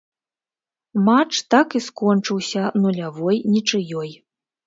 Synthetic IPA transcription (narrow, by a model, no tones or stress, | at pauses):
mat͡ʂt̪akiskɔnt͡ʂɨwsʲɐnulʲavɔjnʲit͡ʂɨjɔj